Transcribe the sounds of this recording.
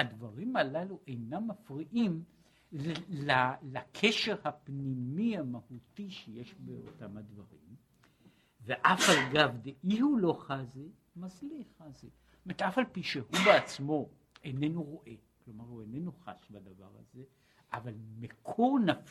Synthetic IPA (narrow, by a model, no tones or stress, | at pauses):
ad̪vaʁimalaluʔejnamːafʁiʔim | lalakʰeʃeʁhapnimiamahutiʃeje̞ʃbeo̰tamhad̪vaʁḭm | veʔafalɡavd̪eʔihulo̞χazi | mazliχazi | omeʁt̪ʔafalpiʃehubeat͡smo̞ | enenuʁo̞ʔe̞ | klo̞maʁhuenenuχa̰sbadava̰ʁa̰ze̞ | ʔavalmekʰonaf